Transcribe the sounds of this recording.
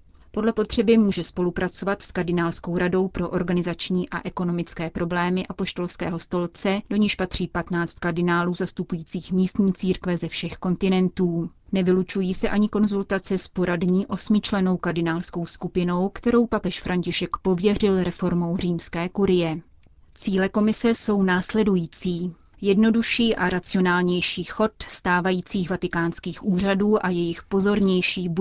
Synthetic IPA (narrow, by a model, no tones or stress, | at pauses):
po̞dlɛpo̞t̪r̝̥ɛbɪmuːʒɛspo̞lupɾʔat͡so̞vat̪skaɾdɪnaːlsko̞wɾado̞wpɾo̞ʔo̞ɾɡanɪzat͡ʃɲiːʔaʔɛko̞no̞mɪt͡skɛːpɾo̞blɛːmɪʔapo̞ʃt̪o̞lskɛ̰ːɦo̞st̪o̞lt͡sɛdo̞ɲɪʃpat̪r̝̥iːpat̪naːt͡st̪̚kardɪnaːluːzast̪upujiːt͡siːxmiːst̪ɲiːt͡siːɾkvɛzɛfʃɛxko̞nt̪ɪnɛnt̪uːnɛvɪlut͡ʃujiːsɛʔaɲɪko̞nzult̪at͡sɛspo̞ɾadɲiːʔo̞smɪt͡ʃlɛno̞wkaɾdɪnaːlsko̞wskupɪno̞wkt̪ɛɾo̞wpapɛʃfɾʔaɲcɪʃɛkpo̞vjɛr̝ɪlɾɛfo̞ɾmo̞wr̝iːmskɛːkuɾɪjɛ | t͡siːlɛko̞mɪsɛso̞wnaːslɛdujiːt͡siː | jɛdno̞duʃiːʔaɾʔat͡sɪo̞naːlɲɛjʃiːxo̞t̪st̪aːvajiːt͡siːxvat̪ɪkaːnskiːxʔuːr̝aduːʔajɛjɪxpo̞zo̞ɾɲɛjʃiːb